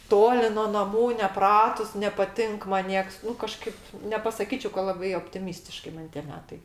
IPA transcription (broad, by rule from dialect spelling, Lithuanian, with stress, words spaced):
ˈtoːlʲɪ noː nɐˈmuː nʲɛˈprɑːtʊs nʲɛpɐˈtʲɪŋk mɐn ˈnʲiɛks nʊ kɐˈʃkɐɪp nʲɛpɐsɐˈkʲiːt͡ʃʲɛɪ kɐ lˠɐˈbɐɪ oːpʲtʲɪˈmʲiːsʲtʲɪʃkɐɪ ˈmɐn tʲiɛ ˈmʲæːtɐɪ